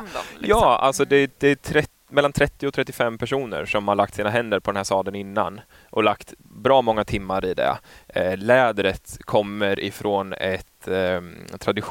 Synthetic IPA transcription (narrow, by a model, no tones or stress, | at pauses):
jɑːa̰lsɔd̪ɛd̪ɛæt̪ʰɾɛ | mɛlːant̪ʰɾɛt̪ːɪɔt̪ʰɾɛt̪ːɪfɛmːpʰæʂuːnə̰ɾʂɔmhaɭakt̪siːnaɦɛnd̪əɾpʰɔd̪ɛnɦæɾʂt̪ɑːd̪ənɪnːa̰n | ʔɔlakt̪ | bɾɑːmɔŋːat̪ʰɪmːaɾɪd̪ɛ̰lɛːd̪ɾət̪kʰɔmːəɾʔɪ̰fɾonɛt̪ | t̪ʰːɾad̪ɪ